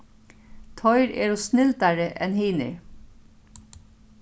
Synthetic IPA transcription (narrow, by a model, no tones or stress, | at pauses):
t̪ʰɔʏɹḛːɹuːsnɪlt̪ɑɹəʔɛnheːnə̰ɹ